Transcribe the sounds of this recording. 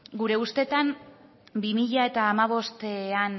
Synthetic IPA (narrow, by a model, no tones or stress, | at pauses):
ɡuɾe̞ust̪e̞t̪an | bimiʎae̞t̪aːmaβ̞o̞st̪ean